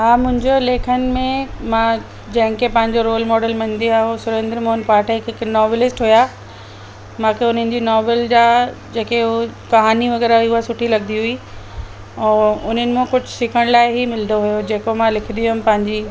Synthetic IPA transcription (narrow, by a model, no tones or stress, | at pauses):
ɦaːmʊ̃ɦɪ̃ɲd͡ʑoleːkʰənɪ̆mẽmã | d͡ʑɐ̃ɦɪ̃kʰepɐ̃ɦɪ̃ɲd͡ʑoɾoːlmɔːɖəlmɐ̃ɲ̆d̪iaːɦosʊɾẽːnd̪ɾəmoːənpaːʈəkɪknɔːʋelɪsʈɦujaː | mãːkʰeʊn̤ənɪ̆d͡ʑiːnɔːʋeld͡ʑaːd͡ʑeːkeɦkɐɦaːniʋɐɣɛːɾaiʊasʊʈʰilɐɡd̪iɦui | ɛ̃ːʊn̤ənɪ̆mẽkʊd͡ʑʱʊsɪkʰəɽ̃laːɪɦimɪld̪oɦujod͡ʑeːkomãlɪkʰɪnd̪ijuɪmpɐ̃ɦɪ̃ɲd͡ʑi